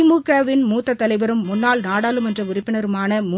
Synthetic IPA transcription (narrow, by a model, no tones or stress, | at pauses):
ɪmuːkaːʋɪnmuːt̪ːɐt̪ːɐlɐɪʋɐɾɯmːʊnːaːlnaːɽaːlɯmɛndrɐʊrɪpːɪnɐɾɯmaːnɐmu